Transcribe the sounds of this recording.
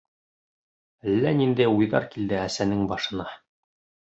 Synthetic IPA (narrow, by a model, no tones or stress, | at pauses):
ælːænind̪æjujðɑ̰ɾkild̪ɘæsænɘŋbɑʃɤ̆nɑ